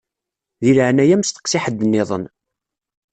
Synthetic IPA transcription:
ðiləʕnæjæmst̪ə̥qsɪħəd̪ːənːɪðˤə̰n

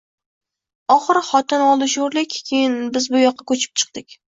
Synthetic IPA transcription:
ɒχɨɾχɒt̪ʰɪnɒlˠɪʃoɾlɪkʲkʲʰejɪnbɪzbʊjɒqʰːɑkʰɵt͡ʃʰɪ̥p̚t͡ʃʰɨ̥q̚d̪ɪkʲ

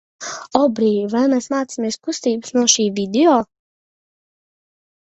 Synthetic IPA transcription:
ɔbɾiːjvajmeːsmaːt̪simeɛskust̪iːbɨsnuɔʃiːvʲid̪eoː

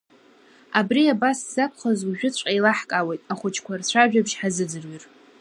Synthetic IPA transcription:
abriabasz̥akʷʰχazuʒᶣʊt͡ɕʷʼailaħkʼawejtʼaχʷʊt͡ʃʰkʷʰart͡ɕʷʰaʒᶣabʃħazɨd͡zɨrɥir

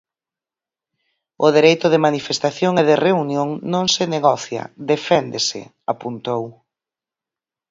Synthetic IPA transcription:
ʊðeɾejt̪ʊðɪmanifest̪aθjoŋeðɪreunjoŋnõŋsɪneɣɔθjɐ̰d̪efɛnd̪esɪ̰ | apunt̪ow

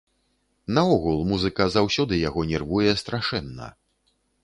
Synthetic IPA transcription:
nɐɔɣulˠmuzɨkɐzawsʲɔd̪ɨjaɣɔnʲɛrvujɛst̪ɾaʂɛnːɐ̰

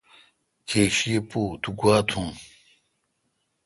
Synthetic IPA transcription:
kʰeɕipot̪uɡwaːt̪ʰuŋ

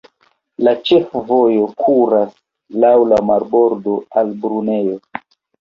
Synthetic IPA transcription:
lat͡ʃe̞fvojo̞kʰuɾas | lawlamaɾbo̞ɾdo̞albɾune̞jo̞

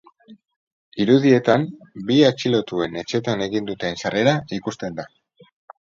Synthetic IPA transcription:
iɾuðie̞t̪am | biat͡ʃilo̞t̪ue̞ne̞t͡ʃe̞t̪ane̞ɣind̪ut̪eːnsare̞ɾaikust̪e̞nd̪a

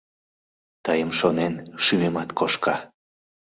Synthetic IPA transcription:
t̪ɑjəmʃonenʃymemɑt̪kʰoʃkɑ

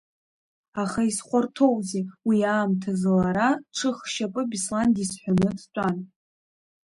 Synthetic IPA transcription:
aχaisχʷartʰo̞wzewiaːmtʰazlaɾaʈ͡ʂʰɨχʃapʼɨbislandisħʷanɨpʰt͡ʃʷʼan

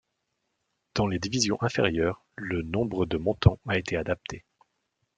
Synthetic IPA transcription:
d̪̥ɑ̃led̪ivizjɔ̃ʔɛ̃fḛʁjœːʁ | lənɔ̃bʁəd̪əmɔ̃t̪ɑ̃aet̪ead̪ap̚t̪ʰe

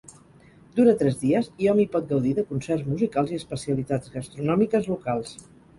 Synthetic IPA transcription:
d̪uɾət̪ɾɛzðiəziɔmipɔt̪̚ɡəwðiðəkunsɛrzmuzikalˠziəspəsiəlit̪ad͡zɣəst̪ɾunɔmikəzlukalˠs

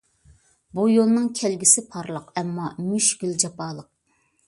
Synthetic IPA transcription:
bujolˠnɨŋkʲʰɛlɡʲisɪpʰɑɾlˠəqɛmːɑmyʃɡ̥ʲyld͡ʒɑpɑːlˠəq̚

